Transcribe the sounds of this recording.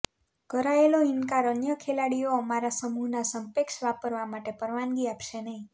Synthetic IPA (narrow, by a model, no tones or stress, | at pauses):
ɡ̥ʱəɾaeloinkaɾənjəkʰelaɽijoːmaɾasəmuɦnasəmpekʃʋapəɾʋamaʈepəɾʋanɡiapʃenəɦĩ